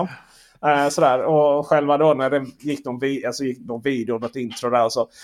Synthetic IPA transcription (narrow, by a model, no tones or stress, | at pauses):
sɔd̪æːɾɔɧɛlvad̪onæɖɛjɪkːd̪ɔnviːalsɔjɪkːnɔnviːd̪ɪʊnɔt̪ːɪnt̪ɾʊd̪æɾɔsɔ